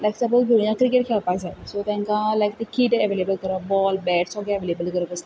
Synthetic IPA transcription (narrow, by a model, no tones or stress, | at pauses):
lajksabəbʱĩjãkɾikeʈ̚kʰelpasasot̪ɛ̃ŋkãlajkt̪ekiʈeəʋelebəlkəɾɔbɔlbɛʈsɔɡaʋelebəlkəɾɔkəs